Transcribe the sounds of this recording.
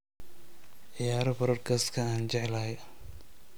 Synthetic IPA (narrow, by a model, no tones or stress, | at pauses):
ʕɪjaːɾɐfɐɾɐrkʰɐskʰɐaːnt͡ʃɛʕɛlaːjɐ